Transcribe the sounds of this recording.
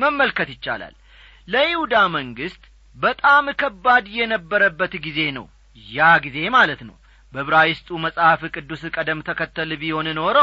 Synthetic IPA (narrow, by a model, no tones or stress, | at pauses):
məmːəlkət̪jɪt͡ʃːa̰la̰lː | əʔihud̪aməŋɡɨst̪ʼ | bət̪ʼamɨkʰəbːad̪jɛnəbːəɾəbːət̪ɡize̞nə̰w | jaɡize̞malət̪nə̰w | bəβɨɾajɪst̪ʼuməsʼhafɨkʼɨd̪ːuskʼəd̪əmːt̪ʰəkət̪ːəlbiho̞nɨno̞ɾəw